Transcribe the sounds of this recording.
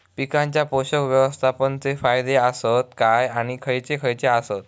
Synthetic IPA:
pikãɲt͡ɕjapoɕəkʋjəʋəst̪ʰapənt͡sefajd̪easət̪kajaɽ̃ikʰəjt͡sekʰəjt͡seasət̪̚

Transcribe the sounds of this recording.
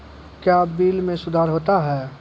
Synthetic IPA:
kjabiːlmẽsʊd̪ʱaːɾɦoːt̪aɦɛː

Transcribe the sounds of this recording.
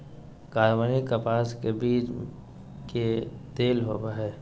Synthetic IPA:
kaːɾʋanikəpaːskebiːt͡ʃ | ked̪eːlɦoːbaɦɛː

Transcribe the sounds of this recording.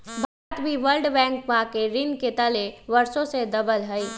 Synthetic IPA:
bʱaɾːət̪bʱiʋəlɖbɛ̃ːŋk̚ʋakeɾɪnket̪əleʋəɾsõsed̪ɐbəlɦəi

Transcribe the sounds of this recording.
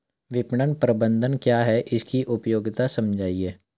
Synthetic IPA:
ʋɪpɳənpɾəbə̃nd̪ʱənkjaːɦɛʔɪskiʔʊpjoːɡɪt̪asɐmd͡ʒʱaːieː

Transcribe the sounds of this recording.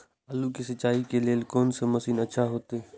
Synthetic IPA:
əlukisətːt͡ʃːaːikeleːlkoːnseməsiːnətːʃʰaɦoːt̪e

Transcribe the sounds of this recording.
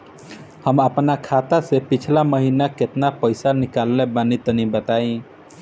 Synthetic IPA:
həməpnakʰat̪asepit͡ʃʰlaməɦinaket̪napəjsanikalːɛbanit̪ənibət̪aĩ

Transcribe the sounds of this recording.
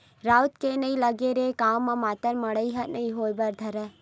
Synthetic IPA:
ɾaːʊt̪kenɐĩləɡeɾekaːwmːãmaːt̪əɾmɐɽəiɦɐnɐĩɦoːjbɐɾd̪ʱɐɾɛ

